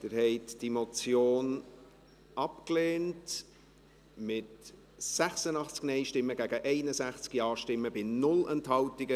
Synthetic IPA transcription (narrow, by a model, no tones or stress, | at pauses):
d̥ɪɾhɛɪtd̥imot͡sjoːn | ɑpkleːnt | mɪt | sæχsənɑχt͡sknɛɪʃtɪmːəɡæɡəʔɛɪnəzæχt͡skjɑːʃtɪmːəbɪnʊlɛnthɑwtɪɡə